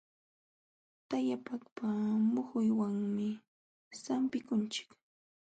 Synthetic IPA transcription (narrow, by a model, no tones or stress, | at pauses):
t̪ajapakpamʊhʊjwaŋmɪ | sampɪkʊnt͡ʃɪ̥k